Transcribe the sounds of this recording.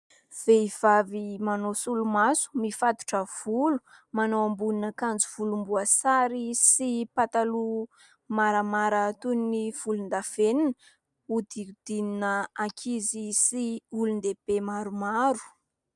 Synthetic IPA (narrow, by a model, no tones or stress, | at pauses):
v̥eiv̥avimanosulumasu̥mifat̪u̥ʈ͡ʂəv̥ulu̥ | manowambuninakand͡zuv̥ulumbuasaɾisipat̪alu | maɾamaɾat̪unniv̥ulund̪afeninə | ud̪iud̪̥ininəakʰizisiulund̪eb̥emaɾumaɾu̥